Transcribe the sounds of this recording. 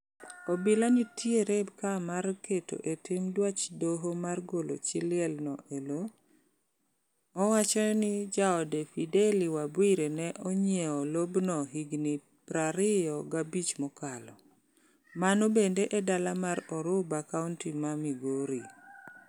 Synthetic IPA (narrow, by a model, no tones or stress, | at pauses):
ɔbɪlanitjeɾebkamarketo̰ʔetɪmdwat͡ʃdoɦomarɡolo̰t͡ʃɪlɪɛlnɔʔelo | wat͡ʃɔnɪd͡ʒaɔdefideliwabwiɾenɛʔɔɲjɛɔlobnɔɦiɡni | pɾaɾɪjɔɡabit͡ʃmɔkalɔ | manobendeʔɛdalamaɾɔɾʊbakauntimamiɡoɾi